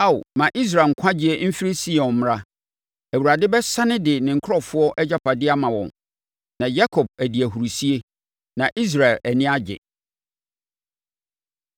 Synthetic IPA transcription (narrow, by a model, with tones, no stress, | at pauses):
a̰˦˨mã˨ʔi˦s̬ɾa˨ŋ̩˨kʷʰã˦d͡ʑɪ˦e˦m̩˦fi˦ɾi˦si˦ɔ̃˨m˦ɾa˦ | æ˨wu˨ɾa˨dɪ˦bɛ˦sã˦nɪ̃˦dɪ˨nɪ̃˨ŋ̩˨kʰɔ˦fʊ˦ɔ˦ʔɛ˦d͡ʑa˦pʰa˨dɪ˦a˦mã˨wɔ̰̃˨n | nã˨ja˦kʰɔ˨b̚æ˨di˨æ˨ɦu˨ɾu˨si˦e˦ | nã˨ʔi˦s̬ɾa˨ɪ˨læ˨nɪ̃˦a˦d͡ʑɪ̰˨